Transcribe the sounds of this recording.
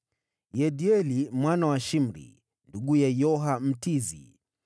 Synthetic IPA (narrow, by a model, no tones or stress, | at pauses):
jɛɗiɛlimwanawaʃim̩ɾḭ | nduɠujajɔɦam̩tizḭ